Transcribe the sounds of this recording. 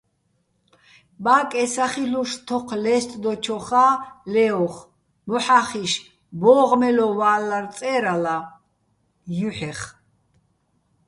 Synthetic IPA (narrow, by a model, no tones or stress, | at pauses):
baːkʼɛsaχiɬuʃt̪ʰɔqʰlɛst̪ʼd̪ɔt͡ʃʰɔχaːlɛɔχ | mɔħaχiʃ | bɔʁmɛlɔvaːlːart͡s̪ʼɛɾala | juħɛχ